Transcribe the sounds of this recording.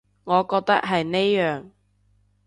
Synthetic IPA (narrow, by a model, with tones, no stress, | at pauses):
ŋɔː˨˧kɔː˧k̚t̪ɐ˥k̚ɦɐ˨jne˥jjœː˨˩ŋ